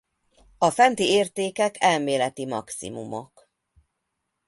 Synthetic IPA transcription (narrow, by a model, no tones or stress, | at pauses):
ɒfɛnt̪ieːrt̪eːkɛkʰɛlmeːlɛt̪imɒksḭmṵmo̰k